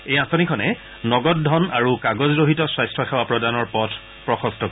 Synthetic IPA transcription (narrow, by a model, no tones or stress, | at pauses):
ejãsonikʰɔnɛ | nɔɡɔt̚dʱɔnaɹukaɡɔzɹoɦitɔswajstʰɔxɛwapɹɔdanɔɹpɔtʰ | pɹɔxɔstʰɔko